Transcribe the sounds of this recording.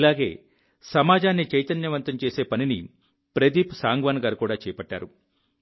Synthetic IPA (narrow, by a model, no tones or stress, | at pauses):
ilaːɡe̞ː | sɐmaːd͡ʒaːnːit͡ʃɐjt̪ɐnjɐʋɐnt̪ɐmt͡ʃe̞ːse̞ːpɐnini | pɾed̪iːpsaːŋɡʋaːnɡaːɾukuːɽaːt͡ʃɛːjɐpɐʈːa̰ːɾu